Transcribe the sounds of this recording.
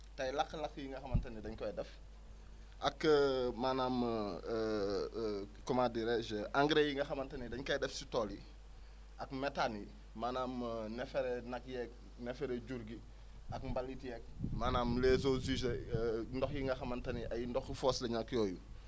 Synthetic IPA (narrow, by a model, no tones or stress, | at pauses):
tɐjlɐkːəlɐkːjiŋɡɐxɐmɐntɐnidɐɲkɐjdɛf | ʔɐkːəmaːnaːm | kɔmadiɾɛʃʔaŋɡɾejiŋɡɐxɐmɐntɐnidɐɲkɐjdɛfsi̥tɔli | ʔɐkmɛtani | maːnaːmnɛfɛɾɛnɐkjɛk̚ | nɛfɛɾɛɟuɾɡi | ɐkmbalːitijɛk̚maːnaːmlɛːzozizɛndɔxjiŋɡɐxɐmɐntɐniʔɐjindɔxfɔːslɛɲakːjɔːju